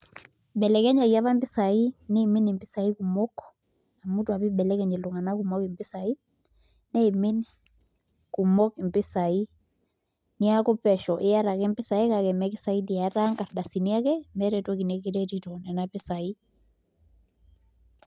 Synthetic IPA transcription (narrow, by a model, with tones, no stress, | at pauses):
bɛ˨lɛ˨kɛ˦ɲa˨ia˦βa˦mbɪ˦sa˨i˦ne˦˨mi˦ni˨mpɪ˦sa˨i˦ku˨mɔ˦k | a˨mu˦twa˨pi˦bɛ˨lɛ˦kɛ˨ɲɛ˨lo˨ŋa˨na˦ku˨mɔ˦kɪ˨mpɪ˦sa˨i˦ | nɛ˦i˨mɪ˦n | ku˨mɔ˦kmpɪ˦sa˨i˦ | ni˦a˦ko˦pɛ˨ʃɔ˨ʔe˦a˦ɾa˨kɛ˦mpɪ˦sa˨i˦ka˨kɛ˨mɛ˦kɪ˦sa˨˦i˦di˨a˨˦ta˦ŋka˨ɾda˨si˨ni˦a˦kɛ˦mɛ˦ɾɛ˨twɔ˦ki˨nɛ˦ki˦ɾɛ˦titɔ˨nɛ˨napɪ˦sa˨i˦